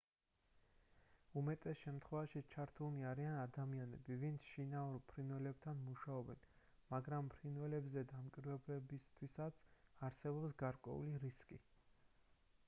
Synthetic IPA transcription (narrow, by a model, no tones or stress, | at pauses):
umɛt̪ʼɛsʃɛmt̪ʰχwɛvaʃit͡ʃʰaɾt̪ʰuniaɾianad̪amianɛ̰bivint̪sʰʃinauɾpʰɾinvɛlɛb̚t̪ʰanmuʃaɔbɛ̰n | maɡɾampʰɾinvɛlɛbzɛd̪amkʼiɾvɛblɛbist̪ʰwisat̪sʰaɾsɛbɔpsɡaɾkʼwɛ̰ṵliɾiskʼi